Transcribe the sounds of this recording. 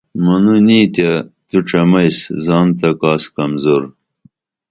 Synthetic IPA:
mɐnunit̪jɐt̪uʈ͡ʂɐmɐjszɑːnt̪ɐkaːskɐmzoɾ

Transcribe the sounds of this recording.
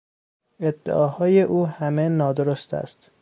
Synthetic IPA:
e̞d̪ːḛʔɒːhɒːjeʔuːhæmenɒːd̪oɾost̪ʰæ̰st̪

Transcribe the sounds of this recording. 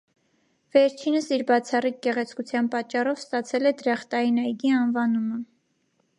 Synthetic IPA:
vɛɾt͡ʃʰinəsiɾbɑt͡sʰɑrik̚ɡɛʁɛt͡sʰkut͡sʰjɑnpɑt͡ʃːɑrɔvst̪ɑt͡sʰɛlɛd̪ɾɑχt̪ɑinɑjɡiɑnvɑnumə

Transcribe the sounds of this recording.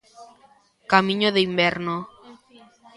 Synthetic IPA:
kamĩɲoðeimbɛɾno

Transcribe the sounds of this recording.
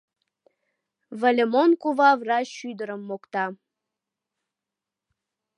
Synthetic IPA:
vəlʲemonkuvɑvrɑʃyd̪əɾəmːokt̪ɑ

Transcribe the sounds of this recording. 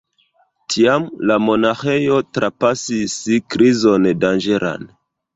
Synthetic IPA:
tʰiamlamo̞naxe̞jo̞tɾapasisikɾizo̞ndand͡ʒe̞ɾʔa̰n

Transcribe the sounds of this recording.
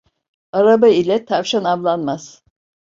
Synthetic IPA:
aɾabailʲɛt̪ʰavʃanavlˠanmaz̥

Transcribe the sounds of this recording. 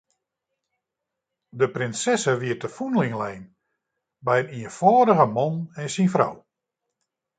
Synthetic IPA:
dəprɪnsɛsəʋiətəfunlɪŋlɛjn | bɛjəniənfɔːɾəɣəmɔnɛnsinfra̰w

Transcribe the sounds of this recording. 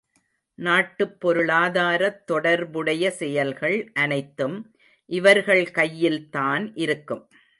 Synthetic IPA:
naːʈːɯpːɔɾɯɭaːðaːɾɐt̪ːɔɽɐɾbɯɽɐjɐsɛjɐlɣɐɭʔɐnɐɪt̪ːɯm | ʔɪʋɐɾɣɐɭkɐjːɪlt̪aːnʔɪɾɯkːɯm

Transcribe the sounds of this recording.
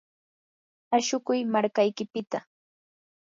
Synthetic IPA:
aʃʊkʊjmaɾkajkɪpɪt̪a

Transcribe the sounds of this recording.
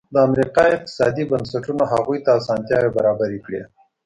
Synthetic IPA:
d̪əamɾiqɑɪq̚t̪ɪ̥sɑ̰d̪ibənsaʈunaɦaɣujt̪aːsɑnt̪jɑwebaɾɑbaɾikɽe

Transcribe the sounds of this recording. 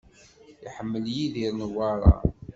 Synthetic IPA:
iħəmːəljiðiɾnəwɑɾˤɑ̰

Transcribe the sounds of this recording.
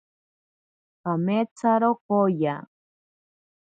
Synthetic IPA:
kamet͡saɾokoja

